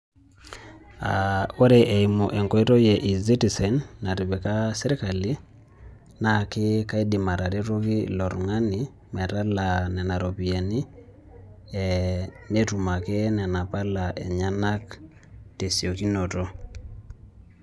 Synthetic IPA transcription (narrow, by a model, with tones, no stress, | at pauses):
ao˦ɾe˨ʔɛ˨i˨mo˨ʔɛ˨ŋkɔ˦i˦tɔ˦jɛ˨ʔi˨zi˦ti˨sɛ˨nːa˨ɾi˨βɛ˨ka˦sɛ˦ɾi˦ka˨li˦ | na˨kɪ˦ka˦i˦di˨ma˨ɾa˨ɾe˦ɾo˦ki˦lɔ˨ɾŋa˦ni | mɛ˨ta˦la˨nɛ˨na˨ɾo˨pi˨a˨ni˦ | ɛne˦tu˨ma˨kɛ˦nɛ˨na˨pa˦la˨ʔɛ˨ɲa˦na˦k | te˨sio˨ki˦no˨tɔ˦